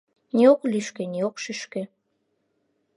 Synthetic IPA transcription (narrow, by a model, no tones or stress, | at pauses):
nʲiokliʃkeniokʃyʃkĕ